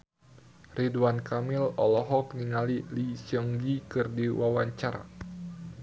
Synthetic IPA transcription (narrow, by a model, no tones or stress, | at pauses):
riduankamilɔlɔɦɔk̚niŋalilisɔŋɡikɨrdiwawaɲt͡ʃaɾa̰